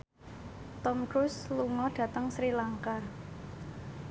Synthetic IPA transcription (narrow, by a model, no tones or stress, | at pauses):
t̪ɔmɡɾʊsluŋɔɖ̥ä̤t̪əŋsɾilaŋka